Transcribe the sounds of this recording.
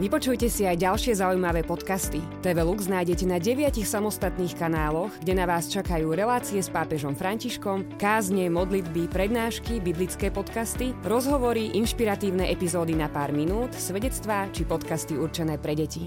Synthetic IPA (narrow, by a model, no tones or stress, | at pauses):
ʋipɔt͡ʃujcɛsiajɟalʃɪɛzaujmaʋɛːpɔt̪kast̪i | t̪ɛʋɛluɡznaːjɟɛcɛnaɟɛʋɪacixsamɔst̪at̪niːxkanaːlɔɣɡɟɛnaʋaːst͡ʃakajuːɾɛlaːt͡siɛspaːpɛʒɔmfɾaɲciʃkɔmkaːzɲɛmɔd̪lid̪bipɾɛd̪naːʃkibiblit͡skɛːpɔt̪kast̪iɾɔzɦɔʋɔɾiʔinʃpiɾat̪iːʊnɛʔɛpizɔːd̪inapaːɾminuːt̪sʋɛɟɛt͡st̪ʋaːt͡ʃipɔt̪kast̪iuɾt͡ʃɛnɛːpɾɛɟɛci